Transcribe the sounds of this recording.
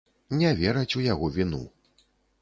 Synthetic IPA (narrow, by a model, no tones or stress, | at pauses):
nʲɛvʲɛɾɐt͡sʲujaɣɔvʲinṵ